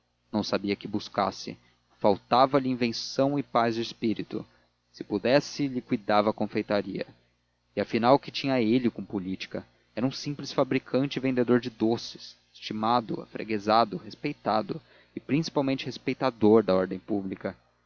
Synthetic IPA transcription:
nɐ̃w̃sabiɐkɪbuskasɪ̰ | fawt̪avɐlɪĩvẽsɐ̃w̃ɪpazd͡ʒɪɪspiɾit̪ʊ̰ | sɪ̥pud̪ɛsɪlɪkujd̪avɐkõfejt̪aɾiɐ̰ | ɪafinawkɪt͡ʃĩɲɐelɪkõpolit͡ʃi̥kɐ | ɛɾɐũsĩplɪsfabɾikʰɐ̃nt͡ʃɪvẽnd̪ed̪oɾd͡ʒɪd̪osɪ̥s | ɪ̥st͡ʃimad̪ʊ̰a̰fɾḛɡezad̪ʊhespejt̪ad̪ʊ | ɪpɾĩsi̥pawmẽnt͡ʃɪhespejt̪ad̪oɾd̪ɐɔɾd̪ẽj̃publikɐ

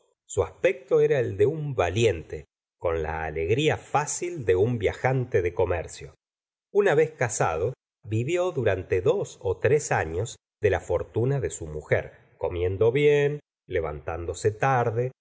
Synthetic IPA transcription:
suaspek̚t̪o̞eɾaeld̪e̞umbalje̞nt̪e | ko̞nla̰ːleɣɾiafasild̪e̞umbjaxant̪eðeko̞mɛ̰ɾsjo̞ | unaβeskasa̰ð̞o̞ | βiβjo̞ðuɾant̪e̞ðo̞sot̪ɾesaɲo̞z | ðe̞lafo̞ɾt̪unaðe̞sumuxḛɾ | ko̞mje̞nd̪o̞βjen | le̞β̞a̰nt̪and̪o̞set̪aɾðe

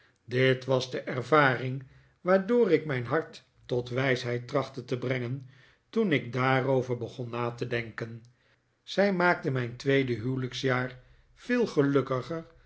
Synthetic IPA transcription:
dɪtʋɑzdəʔɛɹvaːrɪŋ | ʋaːɹdoːrɪkmɛjnɦɑɹtː | ɔtʋɛjsɦɛjt̚rɑχtətəbrɛŋən | tunɪk̚daːrowvəɹbəχɔnːaːtədɛŋkən | z̥ɛjmaːk̚təmɛjntʋejdəɦywləksjaːr | v̥ɪːlˠχəlɵkəχər

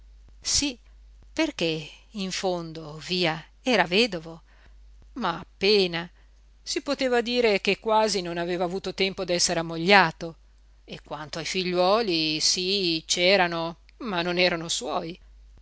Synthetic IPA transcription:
si | perk̟eiɱfond̪oviːa | ɛːɾaveːd̪ovo | maːpːeːna | sipot̪eːvad̪iːɾek̟ekːwaːzinonaveːvaːvuːt̪ot̪ɛmpod̪ɛsːeɾeamːoʎːaːt̪o | ekːwant̪oajfiʎːwɔːlisit͡ʃɛːɾano | manːonɛːɾanoswɔːj

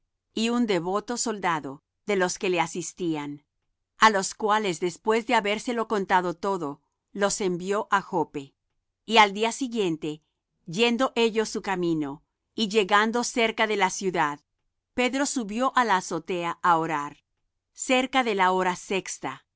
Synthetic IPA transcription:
iund̪e̞βo̞t̪o̞so̞ld̪aðo̞ | ðe̞lo̞ske̞le̞asist̪ian | alo̞skwale̞zðe̞spwe̞zðe̞aβe̞ɾse̞lo̞ko̞nt̪aðo̞t̪o̞ðo̞ | lo̞se̞mbjo̞ʔaxo̞pe̞ | iald̪iasiɣje̞nt̪e̞ | ʝe̞nd̪o̞ʔe̞ʝo̞sukamĩno̞ | iʝe̞ɣand̪o̞se̞ɾkaðe̞lasjuðað | pe̞ðɾo̞suβjo̞ʔalaːso̞t̪e̞aaoɾaɾ | se̞ɾkaðe̞lao̞ɾase̞kst̪a

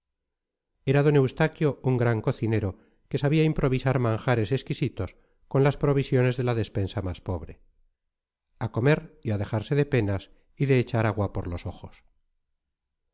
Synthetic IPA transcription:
e̞ɾaðone̞wst̪akjo̞uŋɡɾaŋko̞θine̞ɾo̞ | ke̞saβiaimpɾo̞β̞isaɾmãŋxaɾe̞se̞skisit̪o̞s | ko̞nlaspɾo̞β̞isjo̞ne̞zðe̞laðe̞spe̞nsamaspo̞βɾe̞̰ | ako̞me̞ɾiaðe̞xaɾse̞ðe̞pe̞nas | iðe̞ːt͡ʃaɾaɣwapoɾloso̞xo̞s

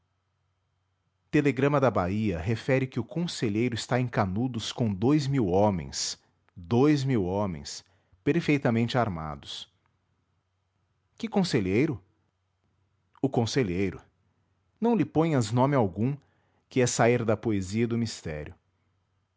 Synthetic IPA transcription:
t̪eleɡɾɐ̃mɐd̪ɐbaiɐɦefɛɾɪkɪʊkõseʎejɾʊɪst̪aẽkanud̪ʊskõd̪ojzmiwõmḛ̃j̃s | d̪ojzmiwõmḛ̃j̃s | peɾfejt̪ɐmẽnt͡ʃɪaɾma̰d̪ʊs | kɪkõseʎejɾʊ | ʊkõseʎejɾʊ | nɐ̃w̃lɪpõj̃ɐznõmɪawɡũ | kɪɛsaiɾd̪ɐpoeziɐid̪ʊmist̪ɛ̰ɾjʊ

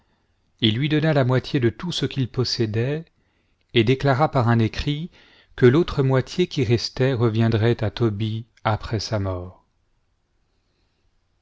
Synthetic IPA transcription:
ilːɥid̪ɔnalamwat̪ʰjed̪ət̪usəkʲilpɔsɛd̪ɛ | ed̪eklaʁapaʁɛ̃nekχi | kəlot̪χəmwat̪jekʲiʁɛst̪ɛʁəvjɛ̃d̪ʁɛt̪at̪ɔbi | apχɛsamɔːʁ

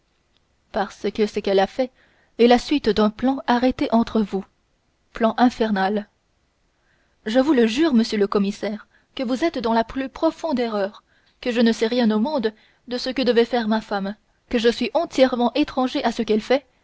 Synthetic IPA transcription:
paʁsəkəsəkɛlafɛ | ɛlasɥit̪d̪ɛ̃plɑ̃aʁet̪eʔɑ̃t̪χəvu | plɑ̃ʔɛ̃fɛʁnal | ʒəvuləʒyʁməsjøləkɔmisɛːʁ | kəvuzɛt̪d̪ɑ̃laplypχɔfɔ̃d̪ɛʁœːʁ | kəʒənəsɛʁjɛ̃nomɔ̃d̪ | d̪əsəkəd̪əvɛfɛʁmafam | kəʒəsɥiʔɑ̃t̪jɛʁmɑ̃ʔet̪χɑ̃ʒeʔasəkɛlfɛ

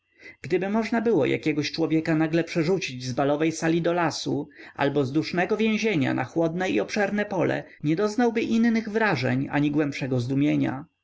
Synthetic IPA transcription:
ɡ̥d̪ɘbɘmɔʐnabɘwɔ̰jʔa̰kʲɛɡɔɕt͡ʂwɔvʲjɛkanaɡlɛpʂɛʐut͡ɕid͡ʑzbalɔvɛjsalʲid̪ɔlasuʔa̰lbɔzd̪uʂnɛɡɔvʲjɛ̃w̃ʑeɲa̰nʔa̰xwɔd̪nɛiɔpʂɛɾnɛpɔlɛ̰ | ɲɛd̪ɔznawbɘʔinːɘɣvɾaʐɛ̰ɲa̰ɲiɡwɛmpʂɛɡɔzd̪umʲjeɲa̰

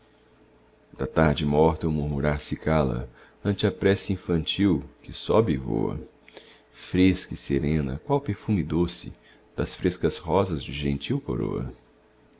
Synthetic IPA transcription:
d̪ɐt̪aɾd͡ʒɪmɔɾt̪ɐwmuɾmuɾaɾsɪkalɐ̰ | ɐ̃nt͡ʃɪɐpɾɛsɐĩfɐ̃nt͡ʃiwkɪsɔbɪːvo̰ɐ̰ | fɾeskɐɪseɾẽnɐ̰kwawpeɾfũmɪd̪osɪ̰ | d̪̥ɐsfɾeskɐshɔzɐzd͡ʒɪʒẽnt͡ʃiwko̰ɾo̰ɐ̰

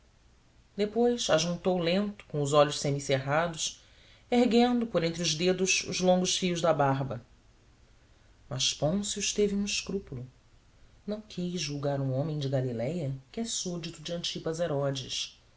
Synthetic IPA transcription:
d̪epojsaʒũnt̪owlẽnt̪ʊ̥kõʊzɔʎʊʃsemiseɦad̪ʊs | eɦɡẽnd̪ʊpoɾẽnt̪̬ɾɪʊʒd̪ed̪ʊʃʊ̰zlõŋɡʊʃfijʊʒd̪ɐbaɦbɐ | mɐʃpõsʊʃt̪evɪũiʃkɾupulʊ | nɐ̃w̃kʰizʒuwɡaɾũõmẽj̃d͡ʒɪɡalilɛjɐkɪɛsud͡ʒit̪ʊd͡ʒɪɐ̃nt͡ʃipɐzeɾɔd͡ʒɪʃ

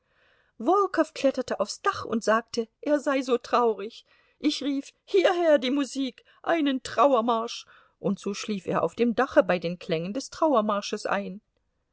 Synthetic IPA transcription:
vɔlkʰɔfkʰl̥ɛtɐtəʔaʊfsd̥aχʊ̰ntz̥aːk̚təʔeːɐzaɪzoːtʁ̥aʊʁɪç | ʔɪçʁiːfhiːɐɦeːɐdiːmuziːk | ʔaɪnəntʁ̥aʊɐmaɐʃ | ʔʊntz̥oːʃliːfḛːɐʔaʊfd̥eːmdaχəbaɪdeːnkʰl̥ɛŋəndɛstʁ̥aʊɐmaɐʃəsʔa̰ɪn

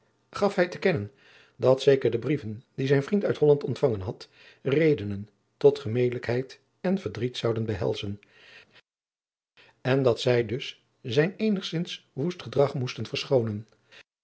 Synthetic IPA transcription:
χɑfɦɛjtəkɛnən | dɑtsejkəɹdəbrivənd̥izɛjnvrintœɥtɦɔlɑntɔntfɑŋənɦɑt | rejdənən | tɔtχəmejdələkɦɛjt | ɛnvəɹdritsɑwdənbəɦɛ̰lˠzən | ɛndɑtsɛjdɵs | zɛjnejnəχsɪnsʋustχədrɑχmustənvəɹsχownən

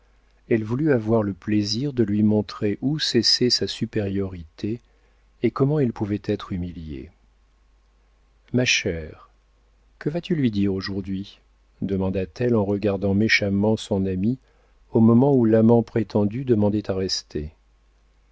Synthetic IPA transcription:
ɛlvulyavwaʁləpleziʁd̪əlɥimɔ̃t̪χeʔusɛsɛsasypeʁjɔʁit̪eː | kɔmɑ̃ɛlpuvɛt̪ɛt̪χymiljḛ | maʃɛːʁ | kəvat̪ylɥid̪iʁoʒuʁd̪ɥi | d̪əmɑ̃d̪at̪ɛlɑ̃ʁəɡaʁd̪ɑ̃meʃamɑ̃sɔ̃nami | omɔmɑ̃ulamɑ̃pχet̪ʰɑ̃d̪yd̪əmɑ̃d̪ɛt̪aʁɛst̪ʰe

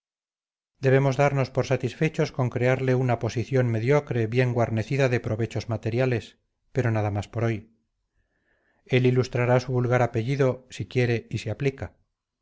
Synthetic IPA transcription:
d̪e̞β̞e̞mo̞zðaɾno̞spo̞ɾsat̪isfe̞t͡ʃo̞sko̞ŋkɾe̞aɾle̞unapo̞siθjo̞nme̞ðjo̞kɾe̞βje̞ŋɡwaɾne̞θiðaðe̞pɾo̞βe̞t͡ʃo̞zmat̪e̞ɾjale̞s | pe̞ɾo̞naðamaspo̞ɾo̞j | e̞lilust̪ɾaɾasuβulɣaɾape̞ʝiðo̞sikje̞ɾe̞iseaplika

